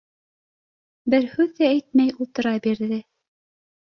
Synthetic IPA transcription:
bɘɾhʉðææjt̪̚mæjulˠt̪ɤ̆ɾɑbiɾðɘ

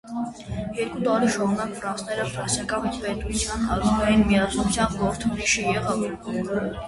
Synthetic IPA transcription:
jɛɾkʼut̪ɑɾiʃɔɾunɑkʰfɾɑnsʰnɛɾəfɾɑnsɛkʼɑvit̪ʰvɛt̪ʼut͡sʰjɑnɑɾɡvɛjinmiɑt͡sʰɔt͡sʰjɑnɡɔɾt̪ʰuɾiʃijɛʁɑviɾbɔlɔɾ

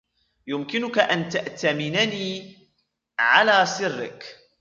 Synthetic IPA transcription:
jʊmkɪnʊkaʔant̪aʔt̪amɪnaniː | ʕalaːsɪrːɪ̰k

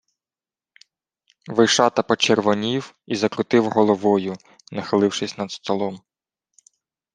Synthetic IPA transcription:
ʋɪʃɑt̪ɐpɔt͡ʃerʋɔnʲiw | izɐkɾʊt̪ɪwɦɔlˠɔʋɔjʊ | nɐxɪlˠɪwʃɪsʲnɐd̪st̪ɔlˠɔm

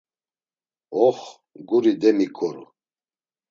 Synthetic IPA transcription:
ɔχ | ɡuɾid̪ɛmikʰʼɔɾṵ

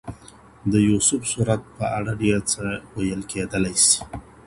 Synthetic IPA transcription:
d̪əjusʊfsuɾat̪̚pəaɽaɖjat͡səwajəlked̪əlajsi̥

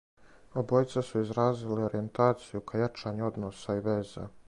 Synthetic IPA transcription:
obo̞jt̪sesuizɾaːzileo̞ɾie̞nt̪aːt̪sijukʰajat͡ʃaːɲuo̞d̪noːsaiʋe̞ːza̰

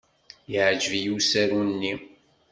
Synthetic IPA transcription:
jəʕd͡ʒəvjusæɾunːi

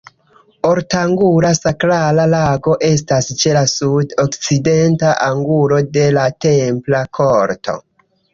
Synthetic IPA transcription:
o̞ɾtaŋɡuɾasakɾalalaɡo̞ʔe̞s̬tast͡ʃe̞lasudokt͡side̞ntaʔaŋɡulo̞de̞late̞mplakʰo̞ɾto̞̰

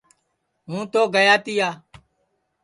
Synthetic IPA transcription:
ɦũːt̪oːɡəjaːt̪ɪjaː

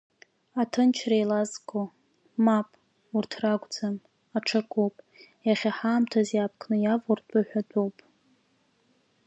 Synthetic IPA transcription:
atʰɨnt͡ʃʰrajlazkʷʼo | mapʼ | urtʰraɡʷʼd͡zam | aʈ͡ʂʰakʷʼopʼ | jaχʲaħaːmtʰazjapʰkʰnɨjavurtʼaħʷᶣadʼowpʼ

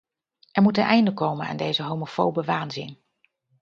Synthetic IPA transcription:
ʔɛɹmutənʔɛjndəkowməna̰ːndejzəɦowmofowbəʋaːnzɪn

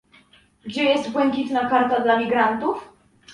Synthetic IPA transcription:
ɡd͡ʑɛjɛst̪bwɛŋkʲit̪nakaɾt̪ad̪lamʲiɡɾant̪uf

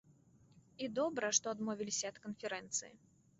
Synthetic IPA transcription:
id̪ɔbɾɐʂt̪ɔɐd̪mɔvʲilʲisʲɐɐt̪kənfʲɛɾɛnt̪sɨjḭ

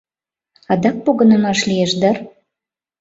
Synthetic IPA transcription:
ɑd̪ɑk̚poɣə̆nə̆mɑʃlʲijeʃd̪ɑr

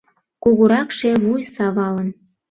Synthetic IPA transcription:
kuɣuɾɑkʃeβujsɑβɑlən

